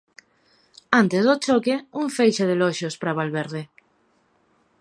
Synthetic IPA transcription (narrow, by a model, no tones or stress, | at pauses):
ant̪ezðot͡ʃokeuɱfejʃeð̞eloʃospɾaβalβeɾð̞e